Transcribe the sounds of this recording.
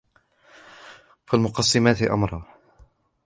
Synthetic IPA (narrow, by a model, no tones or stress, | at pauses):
falmʊqɑsˤːɪmaːt̪ɪʔa̰mɾˤɑː